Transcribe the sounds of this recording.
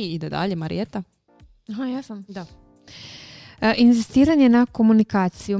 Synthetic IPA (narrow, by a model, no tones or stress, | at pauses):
iid̪ed̪a̰ʎemaɾḭet̪a | aɦajasamd̪a | ʔinzist̪iːɾaɲe̞nako̞munikaːt̪siju